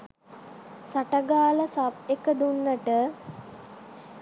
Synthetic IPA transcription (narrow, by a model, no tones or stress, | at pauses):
saʈəɡaːləsapekəd̪unːəʈə